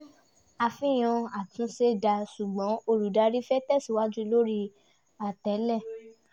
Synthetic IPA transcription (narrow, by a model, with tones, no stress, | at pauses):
a˧fĩ˦j̃ɔ̃˧a˨tũ˨˦se˦da˧su˨ɡ͡bɔ̃˨˦o˧ɾu˨da˧˦ɾi˦fɛ˦tɛ˦˨si˨wa˦d͡ʒu˦˧lo˦ɾi˦˧ | a˨tɛ˨˦lɛ˦˨